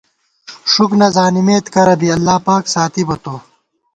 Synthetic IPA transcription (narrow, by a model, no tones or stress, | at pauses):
ʂuknɐzaːnimeːt̪kɐɾɐbiɐlːaːpaːksaːt̪ʰibɐt̪oː